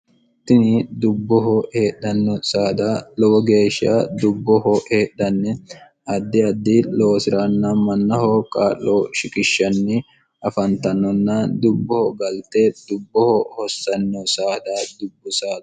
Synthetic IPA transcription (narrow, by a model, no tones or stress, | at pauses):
t̪ːɪnɪd̪ʊbːɔɦɔheːɗɐnːɔsaːd̪aːlɔwɔɡe̞ːʃa̰d̪ʊbːɔɦɔeːɗɐnːɛ | ɐd̪ːɪɐd̪ːɪloːsɪɾanːɐmɐnːɐhɔkʼaːlːoʃɪkʼɪʃːɐnːɪ | ʔɐfɐnt̪ɐnːɔnːɐd̪ʊbːɔhɔɡɐlt̪ɛd̪ʊbːɔhɔhɔsːɐnːɔsaːd̪ad̪ʊbːʊsaː